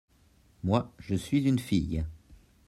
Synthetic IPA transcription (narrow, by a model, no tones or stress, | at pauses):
mwaʒəsɥizynfij